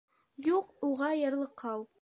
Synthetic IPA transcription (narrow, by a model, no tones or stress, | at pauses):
juquʁɑjɤ̆ɾlˠɤ̆qʰːɑw